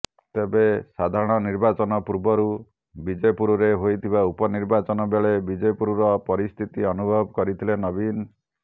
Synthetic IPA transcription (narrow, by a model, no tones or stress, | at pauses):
t̪ebesad̪ʱaɾɔɽ̃ɔniɾbat͡ʃɔnɔpuɾbɔɾu | bid͡ʒepuɾuɾeɦojt̪ʰibaupɔniɾbat͡ʃɔnɔbeɭebid͡ʒepuɾuɾɔpɔɾist̪ʰit̪iɔnubʱɔbɔkɔɾit̪ʰilenɔbin